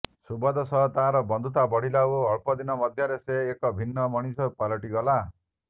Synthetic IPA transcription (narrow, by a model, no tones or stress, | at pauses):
subɔd̪ɔsɔɦt̪aɦaɾɔbɔnd̪ʱut̪abɔɽ̤ilauɔɭpɔd̪inɔmɔd̪ʱjɔɾeseːkɔbʱinːɔmɔɽ̃isɔupalɔʈiɡɔla